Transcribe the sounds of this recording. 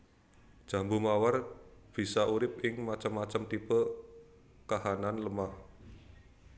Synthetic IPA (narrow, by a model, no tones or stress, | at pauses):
d̥ʒ̥ä̤mbumawarb̥i̤saʔuɾɪp̚ɪŋmat͡ʃəmːat͡ʃəmt̪ipə | kahananləmah